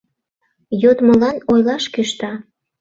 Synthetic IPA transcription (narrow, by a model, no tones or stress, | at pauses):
jot̪məlɑnojlɑʃkyʃt̪ɑ